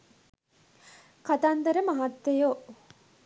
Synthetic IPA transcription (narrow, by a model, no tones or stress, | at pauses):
kat̪ant̪ɐɾəmaɦat̪ːejo